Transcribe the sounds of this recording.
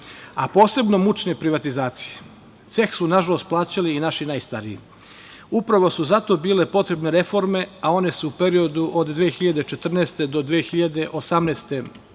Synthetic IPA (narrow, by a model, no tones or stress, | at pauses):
apo̞ːse̞bno̞mut͡ʃnepɾiʋat̪izaːt̪si̥je̥ | t̪se̞xsunaʒalo̞st̪̚plˠaːt͡ɕaliːnaʃinaːjst̪aɾiḭ | upɾaʋo̞suzat̪o̞biːle̞po̞t̪ɾe̞bne̞ɾe̞fo̞ɾme̞ao̞ne̞suːpeɾio̞d̪uʔod̪d̪ʋeːexiʎad̪et͡ʃe̞t̪r̩nɛːst̪ed̪o̞d̪ʋeːxiʎad̪e̞ʔosamneːst̪e̞